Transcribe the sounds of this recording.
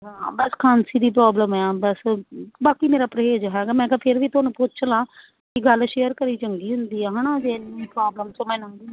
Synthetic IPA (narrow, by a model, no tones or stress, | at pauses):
ɦãːbəskʰaːnsiːd̪iːpɾaːbləmɛːbəsbaːkiːmeːɾaːpɾəɦeːd͡ʒɦɛːɡaːmɛ̃ːkaːpʰɪɾʋiːt̪onũːpʊt͡ʃʰlaː | kiɡəlʃeːəɾkəɾiːt͡ʃəŋɡiːɦʊnd̪iːɛːɦaːnaːd͡ʒeːnipɾaːbləmt͡ʃəmɛ̃ːnːnd̪iː